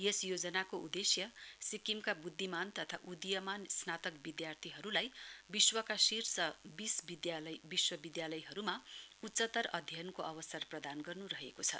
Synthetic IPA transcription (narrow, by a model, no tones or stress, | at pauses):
jesjod͡zʌnakoud̪esjʌsikimkabud̪ʱːimant̪ʌt̪ʰaʔud̪ijʌmansnat̪ʌkbid̪jart̪ʰiɦʌɾulajbiswʌkasirsʌbisbid̪jlbiswʌbid̪jalʌjɦʌɾumautːt͡sʌt̪ʌrʌd̪ʱjʌnkoʔʌbʌsʌrprʌd̪anɡʌrnuɾʌɦekot͡sʰʌ̰